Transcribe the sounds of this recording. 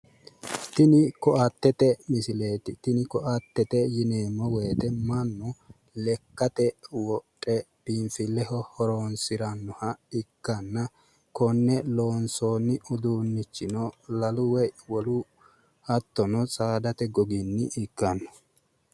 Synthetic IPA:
t̪ɪnɪkɔʔɐt̪ːɛt̪ɛmɪsɪleːt̪ɪt̪ɪnɪkɔʔɐt̪ːɛt̪ɛjɪneːmːɔwe̞ːt̪ɛmɐnːʊ | lɛkːɐt̪ɛwɔtʼːɛb̥infɪlːɛhɔhɔɾoːnsɪɾɐnːɔhɐɪkːɐnːɐ | kɔnːɛloːnsoːnːɪʊd̪uːnːɪt͡ʃːɪnɔlɐlʊwɛwɔlʊ | hɐt̪ːɔnɔsʼaːd̪ɐt̪ɛɡɔɡɪnːɪʔɪkːɐnːɔ̥

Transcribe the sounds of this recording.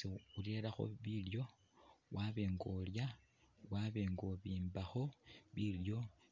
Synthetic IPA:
iule̞ɾaxo̞̰βiljo̞ | wʔaβe̞ːŋɡolja | waβe̞ːŋɡoβiːmbaxo̞βiljo̞

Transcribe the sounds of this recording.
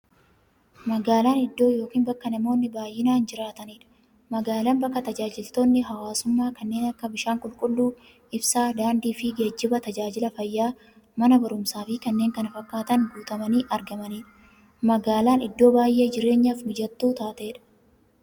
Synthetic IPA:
mɐɡaːlaːnɪd̪ːo̞ːjo̞ːkiːnbɐkːɐnɐmo̞ːnːɪbaːjːɪnaːnd͡ʒɪɾaːt̪ɐniːᶑɐ̥ | mɐɡaːlɐːnbɐkːɐt̪ɐd͡ʒaːd͡ʒɪlt̪oːnːɪɦɐwaːsʊmːaːkɐnːe̞ːnɐkːɐbɪʃaːŋkʼʊlkʼʊlːuː | ɪbsaːd̪aːnd̪iːfɪɡe̞ːd͡ʒːɪbɐt̪ɐd͡ʒaːd͡ʒɪlɐfɐjːaː | mɐnɐbɐɾʊmsaːfɪkɐnːeːŋkɐnɐfɐkːaːt̪ɐŋɡuːt̪ɐmɐniːʔɐɾɡɐmɐniːᶑɐ | mɐɡaːlaːnɪd̪ːo̞ːbaːjʔe̞ːd͡ʒɪɾe̞ːɲːaːfmʊd͡ʒɐt̪ːuːt̪aːt̪e̞ːᶑɐ̥

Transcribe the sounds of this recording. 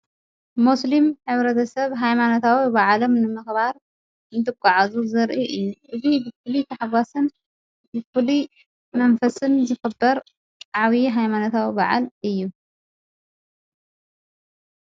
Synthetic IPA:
muslimħɨβɾɐt̪ʰɐsɐβɦajmanot̪ʰawibaʕalo̞mnɨmɨxbaɾ | ɨnt̪ʰɨkʷʼːaʕazuzɐɾʔiʔɨjːuʔɨzibɨfɨlit̪ʰɐħaɡasɨn | bɨfɨli | mɐnfɐsɨnzɨxɨbːɐɾ | ʕaβiɦajmanot̪ʰawibaʕa̰lɨjːu

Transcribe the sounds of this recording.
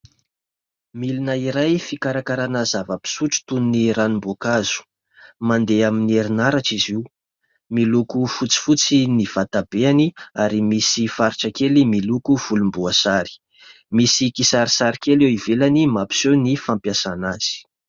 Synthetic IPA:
milinəiɾajfikaɾakaɾanazavəpi̥suʈ͡ʂu̥t̪unniɾanimbokaz̥u̥ | mand̪eaminieɾinaɾaʈ͡ʂizi | milukufut͡si̥fut͡siniv̥at̪ab̥eaniaɾimisifaɾiʈ͡ʂakelimilukuv̥ulumbuasaɾi̥ | misikisaɾisaɾikelewivelanimapi̥sewnifampjasanaz̥i̥

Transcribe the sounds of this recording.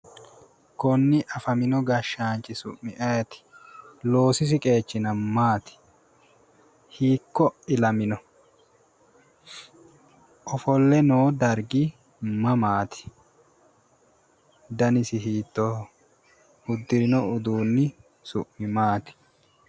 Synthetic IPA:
kɔnːɪʔɐfɐmɪnɔɡɐʃːaːnt͡ʃʼːɪsʊ̰ʔmːɪʔɐjɛt̪ɪ̥lo̞ːsɪs̬ɪkʼe̞ːt͡ʃːɪnɐmaːt̪ɪ̥ | hiːkːɔɪlɐmɪnɔ | ʔɔfɔlːɛnoːd̪ɐɾɡɪ | mɐmaːt̪ɪ̥ | d̪ɐnɪsɪɦiːt̪ːɔ | ʊd̪ːɪɾɪnɔʊd̪uːnːɪ | sʊ̰ʔːɪmaːt̪ɪ̥

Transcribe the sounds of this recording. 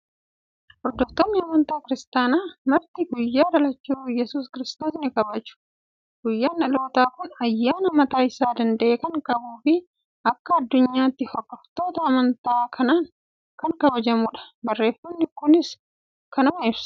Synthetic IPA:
ʔɔɾd̪ːɔft̪ːɔnːɪɐmɐnt̪aːkɪɾɪst̪aːnaːmɐɾt̪iɡʊjːaːd̪ɐlɐt͡ʃːuːjɛsuːskɪɾɪst̪oːsnɪkɐbɐd͡ʒʊ̥ | ɡ̥ʊjːaːnɐlo̞ːt̪aːkʊnɐjːaːnɐmɐt̪aːɪsaːd̪ɐnd̪ɐʔeːkɐŋkɐbuːfɪ | ɐkːɐɐd̪ːʊɲːaːt̪ːɪhɔkːɐft̪o̞ːt̪ɐɐmɐnt̪aːkʰɐnaːŋ | kɐŋkɐbɐd͡ʒɐmuːᶑɐ̥bɐrːe̞ːfːɐnːɪkʊnɪs | kɐnɐmɐɪbsɐ̥

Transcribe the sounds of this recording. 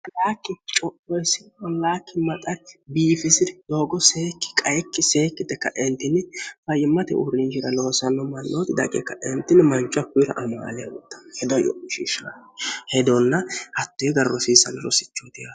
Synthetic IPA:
laːkːɪt͡ʃʼɔʔɔjsɪɔlːaːkːɪmɐt̪ʼɐɾbiːfɪsɪd̪d̪oːɡɔseːkːɪ̥kʼɐjɛkːɪseːkːɪd̪ɛkːɐ̰ʔɛnt̪ːɪnːɪfɐjɪmːɐt̪ɛ̰ʔʊ̰ɾɪnd͡ʒɪɾɐloːsɐnːɔmɐlʔoːt̪ɪd̪ɐ̰kʼɛ̰kːɐʔɛnt̪ːɪnmɐnt͡ʃʼːʊɐkʊjɾɐ̰ʔɐma̰ːlɛja̰wɔ̰t̪ːɐ̥nhɛd̪ɔjɔ̰ʔʊʃḭːʃahɛd̪ɔnːɐhɐt̪ːɔjɡɐrːɔsiːsɐnɾɔ̰sɪ̥t͡ʃːɔt̪ɪja

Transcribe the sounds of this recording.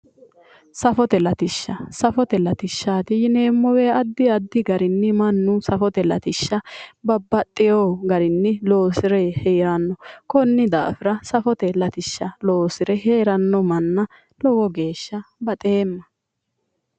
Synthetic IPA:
sɐfɔt̪ɛlɐt̪ɪʃːɐsɐfɔt̪ɛlɐt̪ɪʃːaːt̪ɪjɪne̞ːmːɔwɛɐd̪ːɪɐd̪ːɪɡɐɾɪnːɪmɐnːʊsɐfɔt̪ɛlɐ̰t̪ɪʃːɐbɐbːɐt̪ʼːɪjoːɡɐɾɪnːɪlo̞ːsɪɾɛhɛjaːnːɔkɔnːɪd̪a̰ːfɪɾɐsɐfɔt̪ɛlɐt̪ɪʃːɐlo̞ːsɪɾɛheːɾɐnːɔmɐnːɐ | lɔwɔɡe̞ːʃːɐbɐt̪ʼeːmːɐ

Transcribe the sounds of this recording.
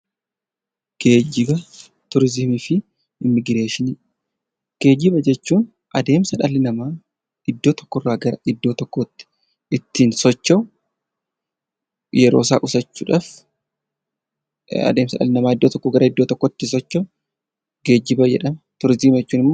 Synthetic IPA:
ɡ̥e̞ːd͡ʒːɪbɐ | t̪ʊɾziːmiːfɪ | ɪmːɪɡɪɾe̞ːʃɪniː | ɡ̥e̞ːd͡ʒɪbɐd͡ʒɛt͡ʃːuːn | ʔɐd̪e̞ːmsɐᶑɐlːɪnɐmaː | ɪd̪ːoːt̪ɔ̥kːɔrːaːɡɐɾɐʔɪd̪ːo̞ːt̪ɔkːot̪ːɪ̥ | ʔɪt̪ːiːnsɔt͡ʃːɐw | jɛɾoːsa̰ːʔʼʊsɐt͡ʃːṵːᶑaːf | ɐ̰d̪e̞ːmsɐᶑɐ̰lɪnɐmaːɪd̪ːoːt̪ɔkːɔɡɐɾɐɪd̪ːoːt̪ɔkːoɪt̪ːɪsɔt͡ʃːɐw | ɡe̞ːd͡ʒːɪbɐd͡ʒɛ̰ᶑɐmɐt̪ʊɾɪziːmd͡ʒɛt͡ʃːuːnɪmːɔː

